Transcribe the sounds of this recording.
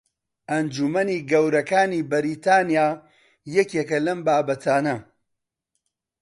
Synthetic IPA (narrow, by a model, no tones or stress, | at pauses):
ʔɐnd͡ʒumɐniːɡɐwɾɐkaːniːbɐɾiːt̪ʰaːnijaː | jɛkekɐlɐmbaːbɐt̪ʰaːnɐ